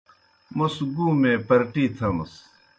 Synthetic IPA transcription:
musɡuːmẽpɐɾʈiːt̪ʰɐmɐ̰s

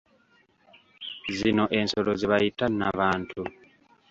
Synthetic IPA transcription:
zino̞ʔe̞nso̞lozeβajitanaβaːntʰu

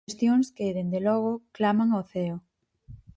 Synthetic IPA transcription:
st̪joŋskeðend̪elɔɣ̞ʊklamaŋoθeo

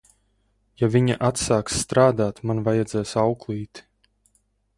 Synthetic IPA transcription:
javʲiɲa̰ʔat̪saːksːt̪ɾaːd̪aːt̪manvajad̪zɛːsawklˠiːt̪

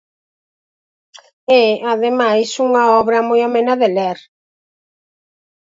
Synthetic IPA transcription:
ɛaðemajsuŋɐɔβɾɐmojamẽnɐðelɛɾ

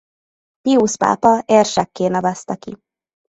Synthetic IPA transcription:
piuʃpa̰ːpɒeːrʃɛkːeːnɒvɛst̪ɛkḭ

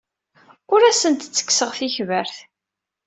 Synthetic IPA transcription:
ʊɾæsənt̪t͡sːə̥kːsəʁθiçvəɾθ

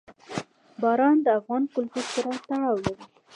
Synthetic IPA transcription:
bɑɾɑnd̪əafɣɑnkʊlt̪uɾsaɾat̪aɽɑwlaɾi

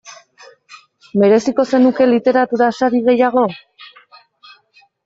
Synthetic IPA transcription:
me̞ɾe̞siko̞se̞nuke̞lit̪e̞ɾat̪uɾasaɾiɣe̞jaɣ̞o̞

